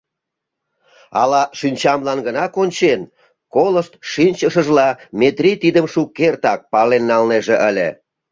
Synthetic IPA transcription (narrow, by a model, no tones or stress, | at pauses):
ɑlɑʃinʲt͡ɕɑmlɑnɡənɑkonʲt͡ɕen | koləʃt̪ʃinʲt͡ɕəʃəʒlɑmet̪rʲit̪id̪əmʃukːert̪ɑk̚pɑlenːɑlneʒeʔəlʲe